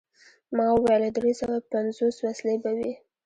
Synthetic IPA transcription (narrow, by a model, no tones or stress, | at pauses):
mɑwajlad̪ɾesəxapanzoswaslebawi